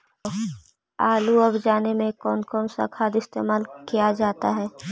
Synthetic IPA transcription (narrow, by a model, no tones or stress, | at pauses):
aːluɐbd͡ʒaːnemẽkɔːnkɔːnsa̰kʰaːd̪ɪst̪ḛːmaːlkijad͡ʒaːt̪aɦɛː